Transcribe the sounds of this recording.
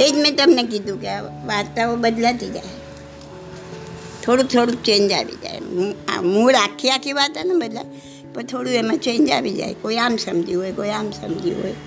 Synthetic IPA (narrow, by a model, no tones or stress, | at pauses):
eːd̪mẽt̪ɐmnek̬id̪ũkaʋaːt̪ːaobɐd̪lat̪id͡ʒa̰ːe | t̪ʰoːɽut̪ʰoːɽut͡ʃẽːnd͡ʒa̰ːbḭd͡ʒa̰ːḛmuːɾaːkʰːijakiʋaːt̪anabɐd̪la | pɐɾt̪ʰoːɽuemãt͡ʃẽːnd͡ʒa̰ːbid͡ʒa̰ːḛkoːiaːmsɐmd͡ʒiɦoːekoːiaːmsɐ̰md͡ʒḭɦo̰ːe